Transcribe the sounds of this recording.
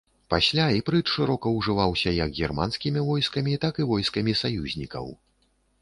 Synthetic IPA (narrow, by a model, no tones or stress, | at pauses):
pasʲlʲaipɾɨtʂɨɾɔkɐwʐɨvawsʲɐjɐɡɣʲirmanskʲimʲivɔjskɐmʲit̪akɨvɔjskɐmʲisajuzʲnʲikɐ̰w